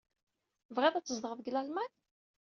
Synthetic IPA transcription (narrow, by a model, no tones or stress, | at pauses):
vʁeðˤæt͡sːəzd̪əʁəðɡlælmæn